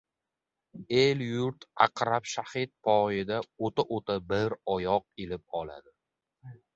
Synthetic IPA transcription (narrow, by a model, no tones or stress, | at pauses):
eljʊɾt̪a̰qɾapʃahɪt̪̚pʰɒjɪd̪aot̪aʔot̪ʰabɪɾɒjɒq̚elɪp̚ɒla̰d̪ɪ